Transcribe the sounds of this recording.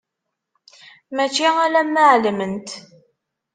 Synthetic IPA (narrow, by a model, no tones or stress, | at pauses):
mæt͡ʃːiælæmːəʕləmənt̪